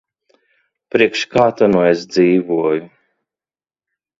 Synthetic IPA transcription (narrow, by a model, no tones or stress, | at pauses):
pɾiɛkʃkaːt̪anuesd̪ziːvuɔju